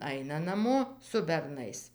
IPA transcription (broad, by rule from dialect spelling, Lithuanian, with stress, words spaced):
ˈɐɪnɐ nɐˈmoː sʊ bʲɛrˈnɐɪs